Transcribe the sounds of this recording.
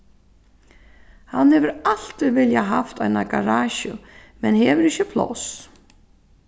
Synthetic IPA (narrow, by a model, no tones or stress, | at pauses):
hanhɛvʏɾal̥t̪ɪvɪljaɦaft̪ajnakaɾaːɕʏmɛnhɛːvʏɾɪçɪpʰlo̰ws